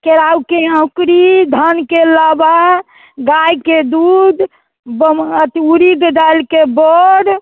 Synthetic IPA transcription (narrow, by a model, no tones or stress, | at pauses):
keɾawkeə̃kɾid̪ʱənkelaba | ɡajked̪ud̪ | bət̪iuɾiɡd̪alkebɔɽ